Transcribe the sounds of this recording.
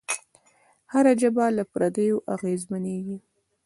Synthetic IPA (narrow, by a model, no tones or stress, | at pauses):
haɾad͡ʒəbalapɾad̪əjoʔaɣezmaneɡi